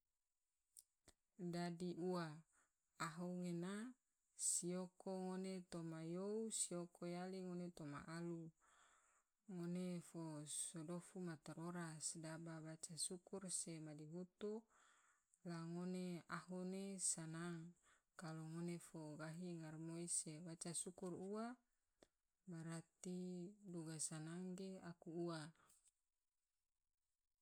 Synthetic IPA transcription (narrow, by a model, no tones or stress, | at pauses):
dadiʔua | aɦuŋena | siokoŋonet̪omajousiokʰojaliŋonet̪oma̰ʔalu | ŋonefosodofumat̪eɾoɾasdababat͡ʃasukursemadiɦut̪u | laŋoneaɦunesanaŋ | kaloŋonefoɡaɦiŋarmoisebat͡ʃasukurua | baɾat̪iduɡasanaŋɡeakuːa